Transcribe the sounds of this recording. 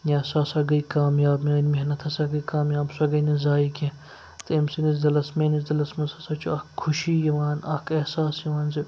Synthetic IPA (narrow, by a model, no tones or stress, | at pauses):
jãːsasɐɡɐikaːmjaːbmaːnmeɦnɐt̪ʰɐsɐɡɐikaːmjaːbsɐɡɐinezaːikʲẽ | t̪emsinizd̪ɐlɐsmeniz̬d̪ɐlɐsmɐsɐsɐt͡ʃʰoɐkʰːʊʃiːjɐʋaːnɐ̰kehsaːsjɐʋaːnse